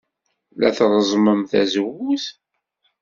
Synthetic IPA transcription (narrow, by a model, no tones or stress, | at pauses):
læ̰θɾˤəzˤməmθæzəwuθ